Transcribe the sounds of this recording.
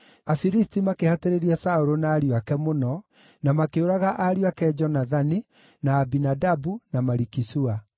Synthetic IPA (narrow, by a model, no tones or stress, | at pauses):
afiɾistimakehateɾeɾiasaoɾonaːɾiwakɛmonɔ | namakeoɾaɣaʔaɾiwakɛd͡ʒɔnaðani | naːbinadabunamaɾikisua